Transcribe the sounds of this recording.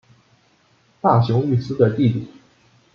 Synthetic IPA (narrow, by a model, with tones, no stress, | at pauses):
t̪a˥˩ɕjʊ˧˥ŋy˥˩sɹ̩˥d̪ə˨t̪i˥˩li˨˩˦